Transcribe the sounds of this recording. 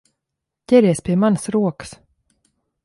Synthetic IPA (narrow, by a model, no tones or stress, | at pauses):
jɛɾɛspʰemansɾoːks